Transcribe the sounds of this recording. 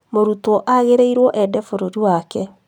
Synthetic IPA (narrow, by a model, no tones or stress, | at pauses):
moɾutɔʔaɣeɾeiɾwɔʔɛdɛfoɾoɾiwakɛ